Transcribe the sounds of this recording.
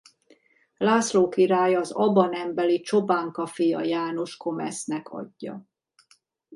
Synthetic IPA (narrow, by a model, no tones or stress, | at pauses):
laːsloːkiɾaːjɒːzɒbɒnɛmbɛlit͡ʃo̞baːŋkɒfijɒ̰jaːno̞ʃko̞mɛ̰snɛkʰɒ̰ɟːɒ̰